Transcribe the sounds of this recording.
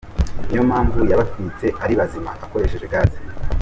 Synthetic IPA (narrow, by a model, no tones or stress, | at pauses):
nijo̞maːɱvujaβatit͡se̞ʔaɾiβazimaβako̞ɾe̞ʃe̞ʒeɡaːzima